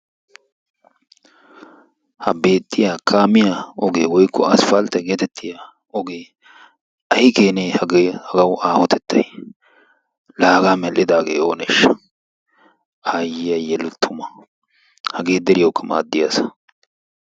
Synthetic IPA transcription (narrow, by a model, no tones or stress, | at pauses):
hɐbe̞ːt̪ʼːɪjaːkʰaːmɪjaʔɔɡeːwɔjkːɔɐsfɐlt̪ɐjɡeːt̪ɛt̪ʰːɪja | ɔɡeː | ʔɐhɪke̞ːneːhɐɡhɐɡɐwʊʔaːhɔt̪ʰɛt̪ʰːɐ̰j | laːɡaːmɛlʔɪd̪aːɡḛːo̞ːnḛːʃɐ̥ | aːjɪjɐjɛlʊt̪ʰːʊmɐ | hɐɡe̞ːd̪ɛɾɪjɐwkːɐma̰ːd̪ːɪjasɐ̥